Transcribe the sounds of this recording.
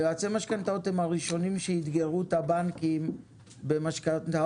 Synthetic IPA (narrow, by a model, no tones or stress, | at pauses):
oat͡semaʃkant̪aot̪emaʁiʃo̞nimʃeit̪ɡeʁut̪abaŋkim | bemaʃkant̪a